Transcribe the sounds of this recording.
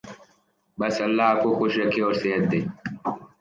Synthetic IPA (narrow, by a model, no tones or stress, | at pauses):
bɐsɐlːaːp̚koxoʃɾɐkʰeːɔːɾseɦət̪̚d̪eː